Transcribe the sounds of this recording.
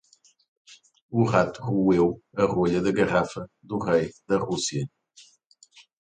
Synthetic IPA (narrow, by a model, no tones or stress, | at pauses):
uʁat̪uʁuewɐʁueʎɐðɐɣɐʁafɐ | ðuʁejðɐʁusiɐ